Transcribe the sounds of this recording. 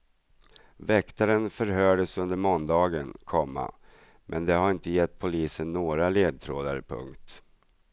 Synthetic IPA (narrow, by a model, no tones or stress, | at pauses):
vɛkt̪aɾənfœɾɦœːɖəsɵnd̪əɾmɔnd̪ɑːɡənkʰɔmːa̰ | mʔɛnd̪ɛɦaɾɪnt̪əjɛt̪ːpʰʊliːsənːoːɡɾaleːd̪̚t̪ʰɾoːd̪aɾpʰɵ̰ŋkt̪